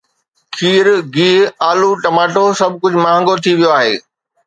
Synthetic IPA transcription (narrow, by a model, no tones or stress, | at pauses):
kʰiːɾɡiːɦaːluʈɐmaːʈosɐb̚ʱkʊd͡ʑʱmaːɦə̃ŋɡot̪ʰiʋijoaːɦḛː